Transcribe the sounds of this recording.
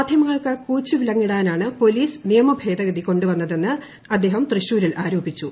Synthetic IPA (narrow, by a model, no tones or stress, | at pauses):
ad̪ʱjɐmɐŋːɐɭkɨkuːt͡ɕːuʋilɐŋːiɽaːnaːɳɨpo̞liːsnijɐmɐbʱe̞ːd̪ɐɡɐd̪iko̞ɳɖuʋɐnːɐðe̞nːɨ | ɐd̪ːeːɦɐmt̪rɨɕuːɾilʔaːɾoːbit͡ɕːu